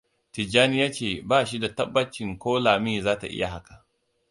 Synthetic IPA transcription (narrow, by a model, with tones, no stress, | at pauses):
tɪ˨d͡ʒaː˦nɪ˦jaː˦t͡ʃeː˨baː˦ʃi˦da˨tɐ˦bːɐ˦t͡ʃɪ˨ŋkʷoː˦laː˨mi˦˨zaː˦ta̰˨ʔɪ̰˦ja˨ɦa˦ka˨ʔ